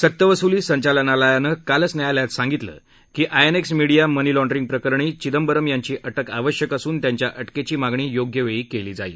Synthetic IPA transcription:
sət̪ːəʋəsuliːsəɲt͡ɕalənaləjanəːkalət͡snjajaljat̪sãŋɡit̪lə̰ː | kiːʔajeneksmiɽijamənilɔ̃ɳɖɾiŋɡ̚pɾəkəɾɳiːt͡ɕid̪əmbəɾəmjaɲt͡ɕiːʔəʈəkaʋəɕjəkasuːnt̪jaɲt͡ɕjaʔəʈket͡ɕiːmaɡɳiːjoɡjəʋeɭiːkeliːd͡zaḭː

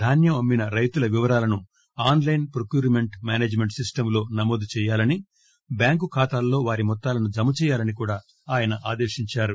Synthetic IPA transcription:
d̪ʱaːnjɐmɐmːinɐɾɐjt̪ulɐʋiʋɐɾaːlɐnu | aːnlɐjnpɾokjuːɾme̞ɳʈmjaːneːd͡ʒme̞ɳʈsisʈɐmlo̞ːnɐmoːd̪ut͡ʃɛːjaːlɐni | bjaːŋkukʰaːt̪aːlːo̞ːʋaːɾimɔt̪ːaːlɐnud͡ʒɐmːut͡ʃɛːjaːlɐnikuːɽaː | aːjɐnɐʔaːd̪eːʃiɲt͡ʃaːɾu

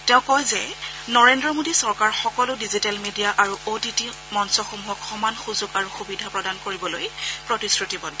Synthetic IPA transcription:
tɛʊ̃kːɔjzɛ | nɔɹendɹɔmodisɔɹkaɹxɔkɔlʊdizitalmedijaʔaɹuʔotiti | mɔnsɔxumuɦɔkxɔmanxuzuɡaɹuxubidʱapɹɔdankoɹibɔlojpɹɔtisɹutibɔnʱ

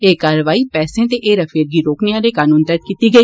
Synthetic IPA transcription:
eːkaːɾəʋaːiːpɛːsẽt̪eʔeːɾəfʰeːɾɡiːɾoːkneaːɾeːkaːnũːnt̪ət̪̚kiːt̪iːɡəiː

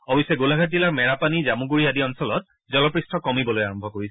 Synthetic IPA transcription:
ɔbisɛɡulaɡʱatzilaɹmɛɹapanizamuɡuɹiadiɔnsɔlɔt | zɔlɔpɹistʰɔkɔmibɔlojaɹɔmbʱɔkoɹisɛ

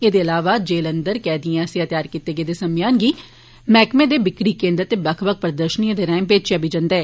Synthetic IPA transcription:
ed̪eːəlaːʋaːd͡ʒeːlənd̪əɾkɛːd̪iãːseːət̪jaːɾkiːt̪eːɡeːd̪eːsəmɪjaːnɡiː | mɛːkmẽːd̪eːbɪkɽiːkẽːnd̪ət̪ːebəkʰbək̚pɾəd̪əɾʃəniãd̪eːɾɛ̃ːmpeːt͡ʃabiːd͡ʒə̃nd̪ɛː

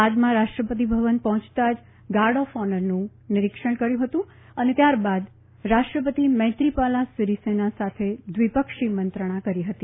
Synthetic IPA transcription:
ad͡ʒ̪mãɾaʃʈɾəpət̪̬ibʱəʋənpɔɦɔ̃t͡ʃt̪ad͡ʒ | ɡaɾɖɔfɔnəɾnũ | nɪɾɪkʃəɳ̃kəɾjũɦət̪ũ | ənet̪jaɾbad̪ | ɾaʃʈɾəpət̪imə̃ɦt̪ɾipalasiɾisenasat̪ʰed̪ʋipəkʂimənt̪ɾəɽ̃ãkəɾiɦət̪i

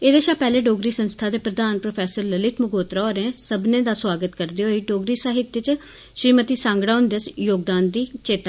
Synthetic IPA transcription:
eːd̪eːʃaːpɛːleːɖoːɡɾiːsənst̪ʰaːd̪eːpɾəd̪aːnpɾopʰɛːsəɾləlɪt̪ʰmʊɡoːt̪ɾaːoːɾɛ̃ːsəbnẽːd̪aːswaːɡət̪kəɾd̪iːɦoːiːɖoːɡɾiːsaːɦɪt̪ːjət͡ʃ | ʃɾiːmət̪iːsãːŋɡɽaːʊnd̪əsjoːɡ̚d̪aːnd̪iːt͡ʃeːt̪a

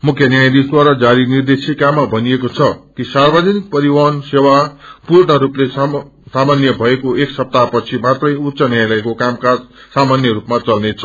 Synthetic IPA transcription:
mukʰjʌnjajd̪isd̪waɾad͡zaɾinird̪esikamːabʱʌniekot͡sʰʌkisarbʌd͡zʌnik̚pʌɾiwansewapuɾɳʌɾuple | samanjʌbʱʌekoeksʌp̚t̪apʌt͡sʰimãt̪rʌjut̪ːsʌnjajlʌekokamkasamanjʌɾupmat͡sʌlnet͡sʰʌ

